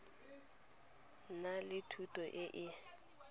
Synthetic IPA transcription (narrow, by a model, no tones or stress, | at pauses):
nalɪtʰutʼɔʔɪʔɪ